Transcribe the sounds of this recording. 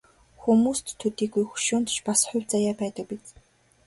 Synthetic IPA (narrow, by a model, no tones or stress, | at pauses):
xumuːst̪ʰːut̪iːɡujxu̥ʃʊːnt̪t͡ɕpasχʊwʲt͡sajaːpæːt̪ə̆k̚pit͡s